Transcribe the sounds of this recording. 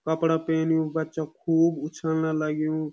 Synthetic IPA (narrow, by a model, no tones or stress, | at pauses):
kəpɽapeːnijũbətːʃakʰuːbʊt͡ʃʰəlnaləɡjũ